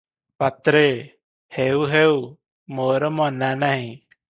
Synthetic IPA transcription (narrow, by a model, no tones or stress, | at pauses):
pɐt̪ɾe | heːuɦeːu | moːɾəmɔnaːnaːɦĩ